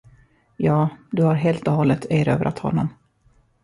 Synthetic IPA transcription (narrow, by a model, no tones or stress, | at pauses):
jɑːd̪ɵhaɾɦeːlt̪ɔhɔlːət̪ʰœːɾø̰ːvɾʔa̰t̪hɔ̰nːɔm